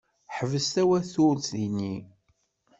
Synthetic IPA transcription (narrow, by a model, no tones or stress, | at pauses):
ħəvəst̪æwæθʊlθinːi